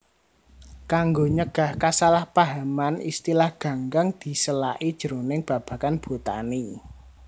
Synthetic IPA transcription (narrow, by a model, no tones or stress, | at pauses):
kaŋɡoɲəɡ̥a̤hkasalahpaɦamanist̪ilahɡ̥ä̤ŋɡaŋd̪̥i̤səlaʔid̥ʒ̥ə̤ɾonɪŋb̥ä̤b̥ä̤kanb̥o̤t̪a̰ni